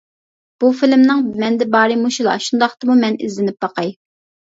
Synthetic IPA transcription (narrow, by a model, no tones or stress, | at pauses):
b̥ufilɪmnɨŋmɛnd̪ɛbɑːɾɨmuʃulˠɑ̰ʃund̪ɑχt̪ɨmumɛnɪ̰zlɪnɪp̚bɑqʰɑj